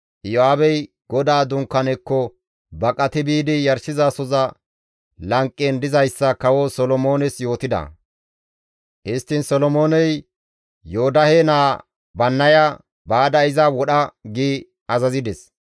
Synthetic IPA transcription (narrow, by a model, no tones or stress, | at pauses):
jɔaːbɛj | ɡ̥ɔd̪aːd̪ʊŋkːɐnɛkːɔ | bɐkʼɐt̪ɪbiːd̪ɪjɐɾsɪzasɔzɐ | lɐŋkʼːɛnd̪ɪzɐjsːɐkɐwɔsɔlɔmo̞ːnɛsjo̞ːt̪ɪd̪ɐ̰ | ʔɪst̪ːɪnsɔlɔmoːnɛj | joːd̪ɐhenaː | bɐnːɐjɐ | baːd̪ɐɪzɐwɔɗɐɡiː | ɐzɐzɪd̪ɛs